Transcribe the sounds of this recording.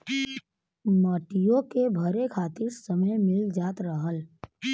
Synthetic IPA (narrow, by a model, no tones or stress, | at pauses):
məːʈɪjõkebʱəɾekʰaːt̪ɪɾsəməjmɪld͡ʒaːt̪ɾəɦəl